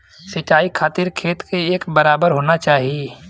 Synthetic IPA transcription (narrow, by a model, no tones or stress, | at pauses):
sɐt͡ʃːaːikʰaːt̪ɪɾtkʰeːt̪keeːkbɐɾaːbəɾɦoːnat͡ʃaːɦije